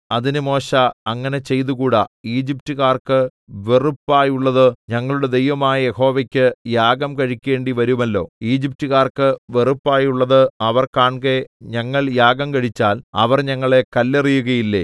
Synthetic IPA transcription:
ɐðinɨmo̞ːɕɐɐŋːɐne̞t͡ɕe̞jt̪ukuːɽɐiːd͡ʑip̚tuɣaːrkɨ | ʋerupːaːjuɭːɐðɨɲɐŋːɐɭuɽe̞d̪e̞jʋɐmaːjɐje̞ho̞ːʋɐkʲːɨjaːɡɐmkɐɻikʲːe̞ːɳɖiʋɐɾumɐlːo̞̰ːiːd͡ʑip̚tuɣaːrkɨʋerupːaːjuɭːɐðɨɐʋɐrkaːɳkeɲɐŋːɐɭjaːɡɐmkɐɻit͡ɕːaːlɐ̰ʋɐrɲɐŋːɐɭe̞kɐlːerijuɣɐjilːe

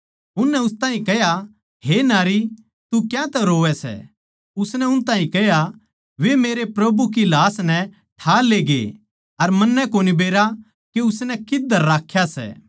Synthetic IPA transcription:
ʊnːɛʊst̪ãːĩkɛɦja | ɦenaːɾi | t̪ukjãt̪ɛɾoːɛsɛ̰ | ʊsnɛʊnt̪ãːĩkɛja | ʋemeːɾepɾɐbuk̬ilaːsnɛ | ʈʰaːleːɡḛ | ɐɾmɐnːɛkoːnibeːɾa | keʊsnɛkɪd̪əɾːaːkʰːjasɛ̰ː

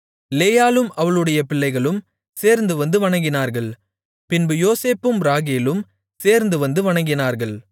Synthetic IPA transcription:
leːjaːlɯmɐʋɐɭɯɽɐjɐpɪɭːɐɪɣɐɭɯm | seːɾnd̪ɯʋɐnd̪ɯʋɐɳɐŋɡɪnaːɾɣɐɭ | pɪnbɯjoːseːpːɯmɾaːɣeːlɯm | seːɾnd̪ɯʋɐnd̪ɯʋɐɳɐŋɡɪnaːɾɣɐɭ

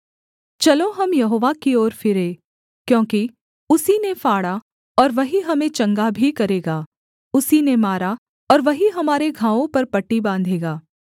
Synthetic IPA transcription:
t͡ʃɐlõɦɐmjɐɦoːʋakiɔːɾfʰɪɾeː | kjõːki | ʊsinefaːɽa | ɔːɾʋɐɦiɦɐmẽt͡ʃɐ̃ŋɡabʱikɐɾeːɡaː | ʊsinemaːɾa | ɔːɾʋɐɦiɦɐmaːɾeɡʱãːʋõpɐɾpɐʈːibãːnd̪ʱeːɡaː

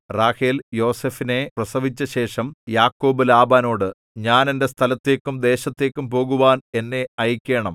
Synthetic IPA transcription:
raːhiljo̞ːsefine̞prɐsɐʋit͡ɕːɐɕe̞ːʂɐmjaːkːo̞ːbɨlaːbaːno̞ːɽɨ | ɲaːne̞nde̞st̪ʰɐlɐt̪ːe̞ːkːumd̪e̞ːɕɐt̪ːeːkːumpo̞ːɣuʋaːne̞nːe̞ɐjikʲːe̞ːɳɐm

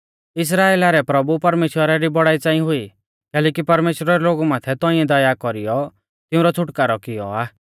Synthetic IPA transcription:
ɪs̬ɾaːeːlaɾɛpɾɐbupɐɾmeːʃwəɾaɾibɔɽaːit͡saːĩɦʊi | kɛːlɛːkipɐɾmeːʃwɾaɾɛloːɡumaːt̪ʰɛt̪ɔĩɛd̪ɐjakɔɾijɔ | t̪ɪũɾɔt͡sʰʊʈkaːɾɔkɪjɔ̰aː

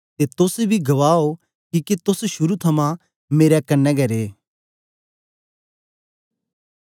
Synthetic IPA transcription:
t̪et̪ʊsebʱiɡɐʋaːo | kiket̪ʊsʃʊɾut̪ʰɐmã | meːɾɛkɐnːɛɡɐɾeː

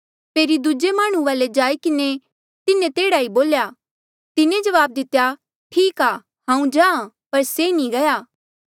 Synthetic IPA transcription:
peːɾid̪ud͡ʒemaːɽ̃ũʋaːled͡ʒaːikɪne | t̪ɪnẽt̪eːɽaiboːlja | t̪ɪnẽd͡ʒɐʋaːb̚d̪ɪt̪ːja | ʈʰiːkaː | ɦãːũd͡ʒãːã | pɐɾsenĩɡɐjaː

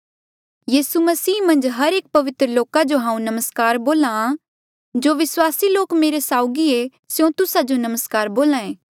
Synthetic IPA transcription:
jiːsumɐsiːmɐ̃nd͡ʒɦɐɾeːk̚pɐʋɪt̪ɾəloːkad͡ʒoɦãːũnɐməskaːɾboːlã | d͡ʒoːʋɪswaːsiloːkmeːɾesaːʊɡie | sjõt̪ʊsad͡ʒonɐməskaːɾboːlãẽː

